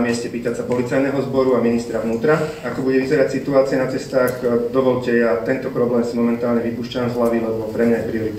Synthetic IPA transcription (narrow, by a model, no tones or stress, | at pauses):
mɪɛscɛpiːt̪asapɔlit͡sajnɛɦɔzbɔɾuaminist̪ɾaʋnuːt̪ɾa | akɔbuɟɛʋizɛɾacsit̪uaːt͡siɛnat͡sɛst̪aːxd̪ɔʋɔʎcɛjat̪ɛnt̪ɔpɾɔblɛːmsimɔmɛnt̪aːlɲɛʋipuːʃcamzɦlaʋilɛbɔpɾɛmɲajɛpɾiɔɾit̪